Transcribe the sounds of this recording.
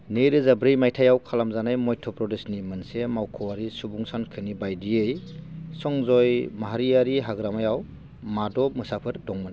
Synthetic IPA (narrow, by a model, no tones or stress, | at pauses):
neɾɯzabɾɯjmajtʰajawkʰalamzanajmɔjtʰɔpɾɔdesnimɯnsemawkʰɔwaɾisubuŋsankʰɯnibajdiɯjsɔŋzɔjmaɦaɾiaɾiɦaɡɾamajaw | madɔmɯsapʰɯɾdɔŋmɯn